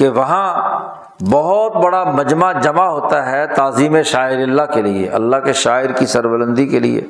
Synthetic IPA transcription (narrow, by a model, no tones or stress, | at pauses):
keʋɐɦã | bɐɦɔt̪̚bɐɽamɐd͡ʒmad͡ʒɐmaɦoːt̪aɦɛt̪aːziːmẽʃaːɪɾɪlːakeliḛʔɐ̰lːaɦkeʃaːɪɾkisɐɾbələ̃nd̪ikelḭḛː